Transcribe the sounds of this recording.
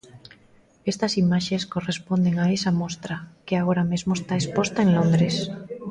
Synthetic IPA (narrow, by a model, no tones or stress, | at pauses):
est̪ɐsimaʃeskorespond̪eŋaesamost̪ɾakeaɣ̞oɾamezmoest̪aespost̪aeŋlõnd̪ɾes